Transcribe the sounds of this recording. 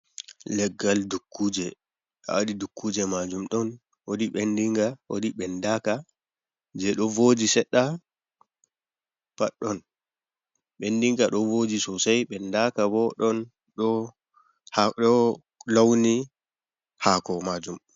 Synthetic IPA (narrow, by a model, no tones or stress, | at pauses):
lɛɡːaldukʰːuːd͡ʒɛ | a̰waɗidukːuːd͡ʒɛmad͡ʒumɗɔn | wodiɓendiŋɡawo̰ɗiɓɛndaka | d͡ʒɛɗɔvod͡ʒisɛɗːa | paɗːɔn | ɓendiŋɡaɗɔvod͡ʒisɔsajɓɛndakabɔɗɔn | ɗɔ | haɗɔ | lawni | haːkɔmad͡ʒum